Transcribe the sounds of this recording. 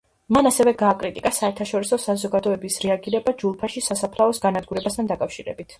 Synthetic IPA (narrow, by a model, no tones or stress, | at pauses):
manasɛvɛɡaːkʼɾit̪ʼikʼasaɛɾt̪ʰaʃɔɾisɔsazɔɡad̪ɔɛbisɾɛaɡiɾɛbad͡ʒulˠpʰaʃisasapʰlˠaɔsɡanad̪̚ɡuɾɛbast̪ʰand̪akʼafʃiɾɛ̰bit̪ʰ